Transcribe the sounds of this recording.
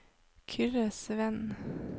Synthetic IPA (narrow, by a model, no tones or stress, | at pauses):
kʰʏɾəsʋɛn